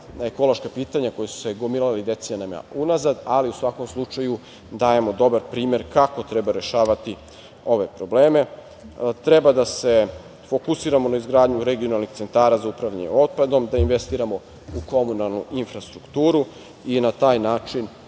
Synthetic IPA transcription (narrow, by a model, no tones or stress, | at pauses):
naeko̞lo̞ʃkapiːt̪aɲako̞jesu̥se̞ɡomiɾalid̪e̞t̪siɲanama̰unazad̪aliusʋako̞mslˠut͡ʃaju | d̪aːje̞mo̞d̪o̞baɾpɾiːme̞ɾkako̞t̪ɾebaɾe̞ʃaːʋat̪i | o̞ʋe̞pɾo̞bleːme̞ | t̪ɾebad̪ase̞ | fo̞kusiːɾamo̞naizɡɾaːd̪ɲuɾe̞ɡio̞nalˠnixtse̞nt̪aːɾazaupɾaʋʎaɲeo̞t̪̚pad̪o̞md̪ainʋest̪iːɾamo̞ | uko̞munalˠnuʔinfɾast̪ɾukt̪uːɾu | inat̪aːjnaːt͡ʃin